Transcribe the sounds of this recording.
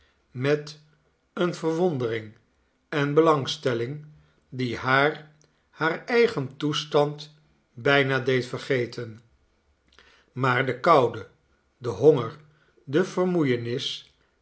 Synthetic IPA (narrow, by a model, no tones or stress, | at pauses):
mɛt | ənvəɹʋɔndərɪŋ | ɛnbəlɑŋstɛlɪŋ | dihaːɹ | haːɹɛjχəntustɑnt | bɛjnaːdejtfəɹχejtʰən | maːɹdəkɑwdə | dəɦoŋəɹ | dəv̥əɹmujənɪs